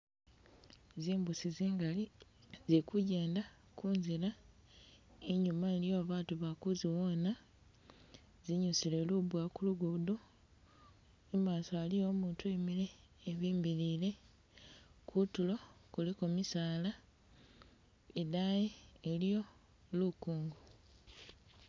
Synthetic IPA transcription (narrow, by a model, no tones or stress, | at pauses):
ziːmbusiziːŋɡali | zikuɟe̞ːnda | kuːnzila | eɲumaelijo̞aβaːtuβakuziwo̞ːna | ziɲusile̞lubwakuluɡudo | emaːsoalijo̞ːmuːntuemiɾe̞ːβiːmbilile̞ | kʰutulo̞kulikomisaːla | edajeːlijo̞ | lukuːŋɡu